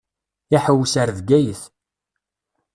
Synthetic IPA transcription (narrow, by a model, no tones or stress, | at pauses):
iħəwːsəɾðɡæjəθ